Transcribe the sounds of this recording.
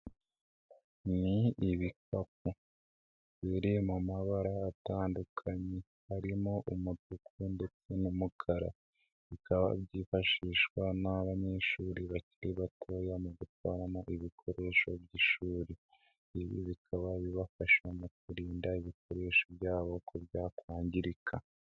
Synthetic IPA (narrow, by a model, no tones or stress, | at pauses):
niiβikap̚u | βiɾimumaβaɾaːtaːndukʰaɲe | haɾimo̞ʔumutukʰunde̞t͡senumukʰaɾa̰ | βikʰaβa̰bɟiːfaʃiːʃwanaβaɲe̞ʃuːɾiβaciɾiβatʰoːjamuɡutwaːɾamoʔiβikʰo̞ɾe̞ːʃo̞bɟiʃuːɾiː | βḭβikʰaβaβiβafaʃwamok̚uɾiːndaiβikʰo̞ɾe̞ʃobjaːβo̞kʰoβjaːkwaːɲɟiɾikʰa